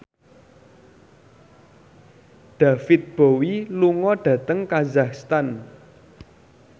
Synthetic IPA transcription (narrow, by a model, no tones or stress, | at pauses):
ɖ̪̥a̤fɪt̪̚b̥owiluŋɔɖ̥ä̤t̪əŋkazakst̪an